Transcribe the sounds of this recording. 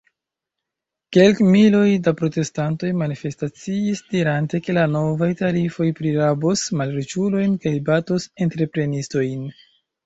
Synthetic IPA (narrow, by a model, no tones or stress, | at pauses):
ke̞lkmilo̞jdapɾo̞te̞stanto̞jmanife̞stat͡siːsdiɾante̞ke̞lano̞vajtaɾifo̞jpɾiɾabosmalɾet͡ʃulo̞jnkajbato̞se̞ntɾe̞pɾe̞nisto̞jn